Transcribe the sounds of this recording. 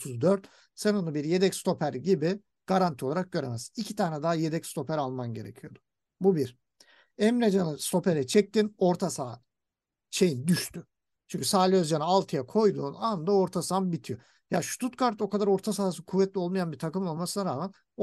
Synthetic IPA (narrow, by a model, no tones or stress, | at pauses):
ot̪ʰuzd̪øɾt̪ | senonubiɾje̞d̪ɛcst̪ʰo̞pʰæɾɟibi | ɡ̥aɾant̪ʰioaɾak̚ɟø̞ɾemɛzicʰit̪ʰaːnɛd̪aɦajed̪ɛcst̪ʰo̞pʰæɾalˠmanɟe̞̰ɾḛcʰijo̞d̪ʊ̥ | bubiɾ | ɛmɾed͡ʒanɯst̪o̞pe̞ɾɛt͡ʃʰɛc̚t̪ino̞ɾt̪ʰasaː | t͡ʃe̞jind̪yʃt̪ʰy | t͡ʃʰyɲcʰysaːlʲøzd͡ʒanɯalˠt̪ʰɯjakʰo̞jd̪uːnand̪ao̞ɾt̪ʰasambit̪ʰijo̞ | jaʃu̥t̪ʰut̪kʰaɾt̪o̞kad̪aɾo̞ɾt̪ʰasaːs̬ɯkʰuvːɛt̪lʲio̞lˠmajanbiɾt̪ʰakɯmo̞lˠmasɯnaɾaːmæn